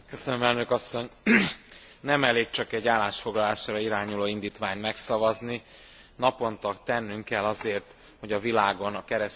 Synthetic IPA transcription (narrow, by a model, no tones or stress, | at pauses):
køsønømɛlnø̞kɒsːo̞ɲ | nɛmɛleːkt͡ʃɒkɛɟːaːlːaːʃfo̞ɡlɒlaːʃaːɾɒiɾaːɲuloːind̪iːt̪ʋaːɲt̪mɛksɒvɒzni | nɒpo̞nt̪ɒkt̪ɛnːyŋkɛlːɒzeːrt̪ | ho̞ɟɒvilaːɡo̞nɒkɛɾɛs